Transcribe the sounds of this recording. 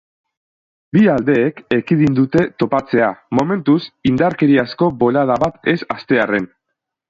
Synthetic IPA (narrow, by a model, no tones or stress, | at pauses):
biald̪e̞ːkekiðind̪ut̪e̞t̪o̞pat͡se̞amo̞me̞nt̪usind̪aɾke̞ɾiasko̞bo̞lað̞aβat̪e̞sast̪e̞are̞n